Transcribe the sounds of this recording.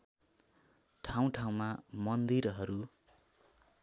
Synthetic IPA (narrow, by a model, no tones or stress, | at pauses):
ʈʰaw̃ʈʰaw̃mamʌnd̪iɾɦʌɾu